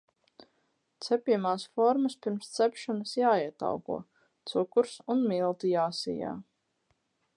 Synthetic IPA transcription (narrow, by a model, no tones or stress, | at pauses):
t̪sɛpʲiɛmaːsfɔɾməspʲiɾmst̪sɛpʃanəsjaːiɛt̪a̰wkṵɔ | t̪sukuɾsunmilˠt̪ijaːsḭja̰ː